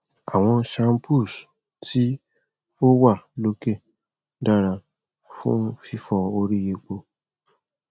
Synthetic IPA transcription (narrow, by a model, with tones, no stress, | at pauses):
a˨w̃ɔ̃˧ʃã˧m˦pu˦˨s | ti˦ | o˦wa˦˨lo˧˦ke˦˨ | da˦˨ɾa˧ | fṵ̃˦fi˦fɔ˧o˧ɾi˦je˧k͡po˧